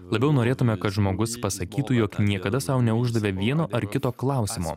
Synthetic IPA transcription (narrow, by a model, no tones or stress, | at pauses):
lˠɐbʲɛʊnoːɾʲeːt̪ʊmʲɛkɐt̪ʒmoːɡʊspɐsɐkʲiːt̪ujoːknʲiɛkɐd̪ɐsɐʊnʲɛʊʒd̪ɐʋʲeːʋʲiɛnoːɐɾkʲɪt̪oːklˠɑˑʊsʲɪmo̰ː